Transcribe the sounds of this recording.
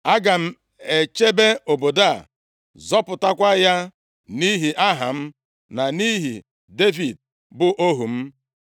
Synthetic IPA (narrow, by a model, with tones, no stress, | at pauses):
a˦ɡa˨m̩˦ | e˨t͡ʃe˦be˦o˨bo˨da˦˨ | zɔ˦pʊ˨ta˦kʷa˦ja˦ | ni˦ɦi˨ʔa˦ɦa˨m̩˦ | na˨ni˦ɦḭ˨ | de˦vi˨d̚ | bʊ˦ʔo˦ɦu˨m̩˦